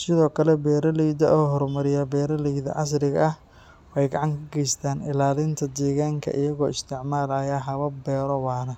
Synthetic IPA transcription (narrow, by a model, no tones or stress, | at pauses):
sɪðɔːkʰɐlɛbɛːɾɐliːðɐʔɔːɦɔrmɐɾɪjɐbɛːɾɐliːðɐ̰ʕɑs̬ɾɪɣɐɐh | wɛjɡɑʕɑŋkʰɐɡɛjst̪ʰaːnɪlaːlɪnt̪ʰɐd̪ɛːɣaːŋkʰɐ̰ʔɪjɐɣɔːɪst̪ʰɪʕmaːlɐjaːɦɐβɐbɛːɾɔwɑːnɐ